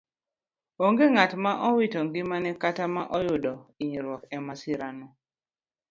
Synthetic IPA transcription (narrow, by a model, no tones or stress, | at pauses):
oŋɡeŋatmaʔɔwitɔŋɡɪmanɛkatamaʔɔjʊdɔiɲɾwɔkɛmasiɾanɔ